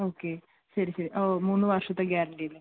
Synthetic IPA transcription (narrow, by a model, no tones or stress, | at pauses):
o̞ːkːe | ɕɐɾiɕɐɾiʔoːmuːnːɨʋɐːrʂɐt̪ːeɡjaːɾɐɳɖijilːe